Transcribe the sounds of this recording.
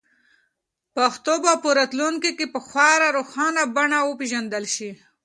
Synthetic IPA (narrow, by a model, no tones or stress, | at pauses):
pəxt̪obapuɾat̪luŋkikepəxwɑɾaɾoxɑnabaɳawəpeʒand̪əlʃi